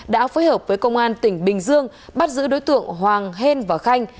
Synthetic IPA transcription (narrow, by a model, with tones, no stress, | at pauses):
ɗa̰ː˧˥foː˨˦jhəː˨˩p̚vəː˨˦jkə˧wŋ͡mʔaː˧nt̪ï˧˩ŋ̟ɓï˨˩ŋ̟zɨ˧əŋ | ɓa˦˥t̚zɨ̰˧˥ɗo˨˦jt̪ɨ̰˧˨əŋɦwaː˨˩ŋɦe˧nvaː˨˩xa˧jŋ̟